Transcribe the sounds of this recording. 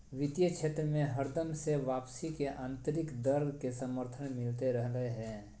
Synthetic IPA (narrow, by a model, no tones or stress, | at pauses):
ʋɪt̪jət͡ʃʰeːt̪ɾəmẽɦəɾd̪əmseʋaːpsikeʔãːnt̪əɾɪkd̪əɾɡkesəməɾt̪ʰənmɪlt̪eɾəɦləɦeɦɛ̃ː